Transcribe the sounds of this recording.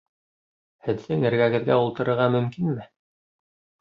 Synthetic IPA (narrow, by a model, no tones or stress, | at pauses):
hɘ̆ðːɘŋɘ̆ɾɡæɣɘ̆ðɡæulˠt̪ɤ̆ɾɤ̆ɾʁɑmɵ̆mkinmɘ